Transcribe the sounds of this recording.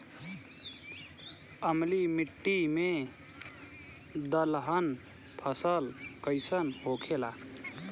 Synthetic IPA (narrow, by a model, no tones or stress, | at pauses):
əmlimiʈːime | d̪əlɦən | pʰəsəlkəɪsənɦokʰela